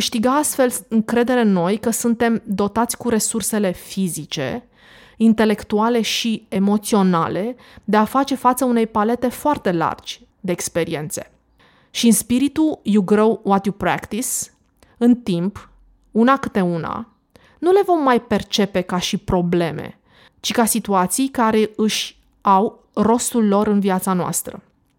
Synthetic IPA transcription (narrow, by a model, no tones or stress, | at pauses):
kɨʃt̪iɡaast̪fe̞lɨŋkɾe̞d̪e̞ɾeno̞jkəsunt̪e̞md̪o̞t̪at̪sʲkuɾe̞surse̞le̞fizit͡ʃe̞̰ | int̪e̞le̞kt̪uale̞ʃiemo̞t̪sio̞na̰le̞ | d̪e̞afat͡ʃe̞fat̪səune̞jpale̞t̪e̞foart̪e̞la̰rd͡ʒʲ | d̪e̞ːkspe̞ɾie̞nt̪se̞̥ | ʃiɨnspiɾit̪ujuɡɾowwat̪jupɾa̰kt̪is | ɨnt̪imp | unakɨt̪e̞una̰ | nule̞vo̞mːajpe̞rt͡ʃe̞pe̞kaʃipɾo̞ble̞mḛ | t͡ʃikasit̪uat̪sijkaɾe̞ɨʃʲ | aw | ro̞st̪ulːo̞ɾɨnviat̪sanoa̰st̪ɾə̰